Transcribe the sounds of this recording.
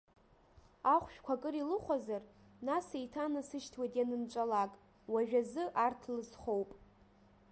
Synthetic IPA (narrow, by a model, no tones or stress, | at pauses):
aχʷʃᶣkʷʰakʼɨɾilɨχʷazar | nasejtʰanɨsɨʃtʰwajtʼjanɨnt͡ʃʷʼalakʼ | waʒᶣazɨʔartʰlɨsχowpʼ